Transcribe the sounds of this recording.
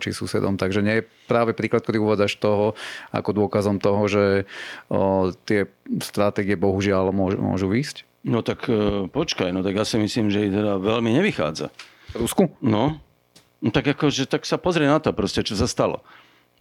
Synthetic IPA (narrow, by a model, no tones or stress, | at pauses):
t͡ʃḭsṵsɛ̰d̪ɔmt̪aɡʒɛɲɪɛjɛpɾaːʋɛpɾiːklat̪̚kɛd̪iuʋaːd͡zaʃt̪ɔɦɔa̰kɔd̪ʊɔkazɔmt̪ɔɦɔʒɛ | t̪ɪɛst̪ɾat̪ɛːɡiɛbɔɦuʒɪalmʊɔʒ̰mʊɔ̰ʒuʋiːsc | nɔt̪akːpɔt͡ʃkajnɔt̪aɡjaːsimisliːmʒɛit̪ɛd̪aʋɛlmiɲɛʋixa̰ːd͡za̰ | ɾuskunɔ | t̪aɡakɔʒɛt̪aksapɔzɾɪɛnat̪ɔpɾɔscɛt͡ʃɔsast̪alɔ̰